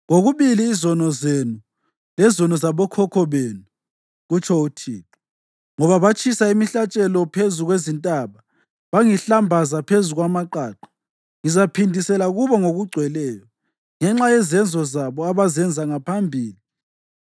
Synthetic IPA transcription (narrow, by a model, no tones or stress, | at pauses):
ɣoɣuβiliːzɔnɔzenu | lɛzɔnɔzaβɔkʰɔkʰɔβeːnu | ɣut͡ʃʰɔutʰiːtʰu̥ | ŋɔβaβat͡ʃʼisaimiɬat͡ʃʼɛlɔpʰezuɣwezintʼaβa | βaŋiɬambʱazapʰezuɣwamaǃaːǃɔ̥ | ŋizapʰindʱisɛlaɣuβɔŋoɣuɡ͡ǀʱwɛlɛːjɔ | ŋɛŋ͡ǁajɛzɛnd͡zʱɔzaβɔaβazɛnd͡zʱaŋapʰambʱiːli